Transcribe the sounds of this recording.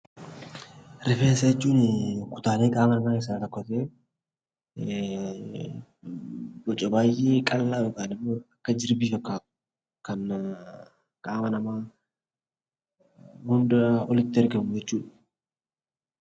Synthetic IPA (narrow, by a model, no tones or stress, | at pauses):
ɾɪfeːnsɐjɛt͡ʃːuːnɪkʊ̥t̪aːleːkʼaːmɐnɐmaːɪs̬aːlɐkːɔt̪eː | bɔt͡ʃʼːɐbaːjʔeːkʼɐlːaːɔkʼaːnɪmːoːɐkːɐd͡ʒɪɾbiːfɐkːḁː | kɐn | kʼaːmɐnɐmaː | hʊnd̪ɐɔlɪt̪ːɪɛɾɡɐmːʊd͡ʒɛt͡ʃːuːᶑɐ̥